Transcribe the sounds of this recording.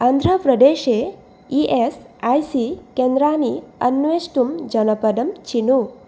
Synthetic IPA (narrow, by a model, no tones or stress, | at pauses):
and̪ʱɾɐpɾɐd̪eːʃe | iʔes | ajsikend̪ɾaːniɐ̰nːʋeːsʈumd͡ʒɐnɐpɐd̪ɐmt͡ʃinu